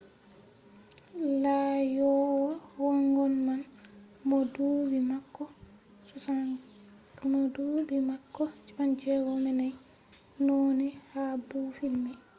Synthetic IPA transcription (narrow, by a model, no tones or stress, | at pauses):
lajɔwɔwɔŋɡɔnman | mɔdubimakːɔ | sɔsa | mɔdubimakːɔt͡ʃiband͡ʒɛɡɔmɛnaj | nɔnɛhabufilmɛ